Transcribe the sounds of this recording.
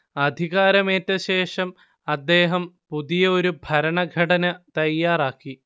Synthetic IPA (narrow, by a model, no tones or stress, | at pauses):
ɐd̪ʱiɣaːɾɐmeːtːɐɕe̞ːʂɐm | ɐd̪ːe̞ːɦɐmpuðijɐo̞ɾubʱɐɾɐɳɐɡʱɐʈɐnɐt̪ɐjːaːraːkːi